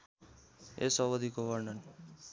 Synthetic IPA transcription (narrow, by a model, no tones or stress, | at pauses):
ḛsʌβʌd̪ikobʌrnʌn